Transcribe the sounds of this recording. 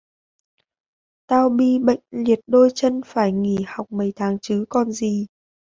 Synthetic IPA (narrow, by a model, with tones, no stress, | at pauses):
t̪aː˧wɓi˧ɓə̰˧˨jŋ̟li˨˩ət̚ɗo˧jt͡ɕə˧nfaː˧˩jŋi˧˩ha˨˩wk͡p̚mə˨˩jt̪ʰaː˨˦ŋt͡ɕɨ˨˦kɔ˨˩nzi˨˩